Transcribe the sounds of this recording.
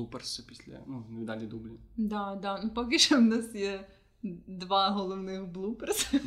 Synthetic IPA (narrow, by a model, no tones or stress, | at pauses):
upərsɨpʲisʲlʲɐ̰nunɛd̪alʲid̪ublʲɪd̪ad̪anupɔkɪʂɔʊnasjɛ | d̪ʋaɦɔlˠɔwnɪxblˠupɛrs